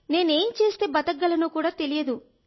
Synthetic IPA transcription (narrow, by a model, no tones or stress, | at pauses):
ne̞ːne̞ːmt͡ʃe̞ːst̪e̞ːbɐt̪ɐɡːɐlɐnuːkuːɽaːt̪e̞lijɐd̪u